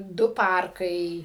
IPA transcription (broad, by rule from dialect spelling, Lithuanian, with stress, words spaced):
ˈdʊ ˈpɐrkɐɪ